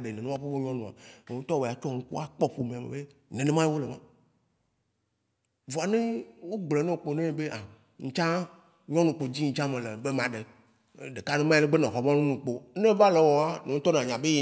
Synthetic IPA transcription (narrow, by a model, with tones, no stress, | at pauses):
ɖe˨nẽ˨nẽ˦wa˦ɸe˦bo˦ɲɔ̃˦nũ˨a̰˨ne˨ŋũ˦t̪ɔ˦we˨a˨t͡ʃɔ˦ŋũ˦ku˦a˦k͡pɔ˦ɸo˨mẽ˨a˨mḛ˨be˦nẽ˨nẽ˦mã˦je˦wo˦le˨mã˦ | vo˨a˨nẽ˦wo˦ɡ͡ble˨nẽ˦wo˨k͡po˨nẽ˦˨be˦ʔa˨ | ŋ̩˨t͡ʃã˦ | ɲɔ̃˦nũ˨k͡po˨d͡ʑi˦ŋ̩˨t͡ʃã˦mẽ˨le˨be˦mã˨ɖe˨ | ɖe˨ka˦nẽ˦mã˦e˦le˦ɡ͡be˦nẽ˨ɦɔ˨mã˦nũ˦nũ˨k͡po˨˦nẽ˦va˦le˨wɔ˨a˦nẽ˨ŋu˦t̪ɔ˦nã˨ɲã˨be˦e˨